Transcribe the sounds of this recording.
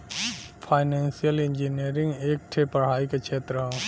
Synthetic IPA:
fʰaːɪnɛ̃ːnsijəlɪ̃ɲd͡ʒiniəɾɪ̃ŋɡeːk̚ʈʰepɐɽ̤aːikekʃʰeːt̪ɾəɦõː

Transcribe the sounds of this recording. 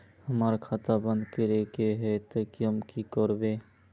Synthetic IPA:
hɐmaːɾakʰaːt̪abə̃nd̪keɾeːkeɦɛt̪əkiəmkikɔːɾbẽː

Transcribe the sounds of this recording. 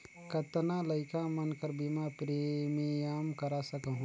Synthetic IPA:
kət̪naləɪkamənkəɾbimapɾemijamkəɾasəkəɦũ

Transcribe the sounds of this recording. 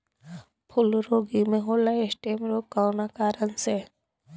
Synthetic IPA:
pʰʊlɾoːɡimẽɦoːlaesʈeːmɾoːɡkawnakaːɾənse

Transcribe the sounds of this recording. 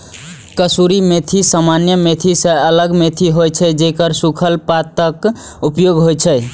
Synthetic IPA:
kəsuɾimet̪ʰisamanjəmet̪ʰisə̃ələɡmet̪ʰiɦojt͡ʃʰɛd͡ʒekəɾsukʰəlpat̪əkupjoɡɦojt͡ʃʰɛ

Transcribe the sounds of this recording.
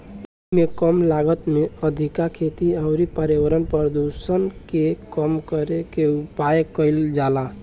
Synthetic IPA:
u | mekəmlaɡət̪meəd̪ʱikakʰet̪iaʊɾipəɾjəwəɾənpəɾd̪usənkekəmkəɾekeupajkəɪld͡ʒala

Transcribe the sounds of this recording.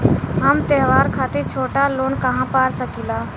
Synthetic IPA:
ɦəmt̪ɛɦʋaːɾkʰaːt̪et͡ʃʰoːʈaloːnkəɦãpaːɾsəkilaː

